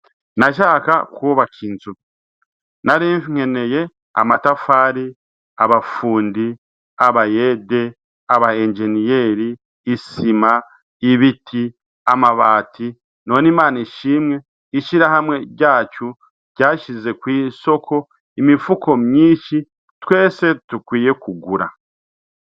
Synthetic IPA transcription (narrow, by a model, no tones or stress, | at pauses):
naʃ̬aːka̰kuβakʰinzu | naɾiɱfiŋ̥e̞ne̞je̞ | a̰matafaːɾi | aβafuːndi | aβajede̞ | aβaend͡ʒe̞nije̞ːɾiː | sima | iβitʰi | amaβaːtʰi | no̞nimaːniʃiːmŋe̞ | iʃiɾahamwe̞ɟaːt͡ʃu | ɟ̥aːʃize̞kwiːso̞kʰo̞ | imifuko̞mjiːʃi | twe̞ːse̞tukwiːje̞kuɡuɾa̰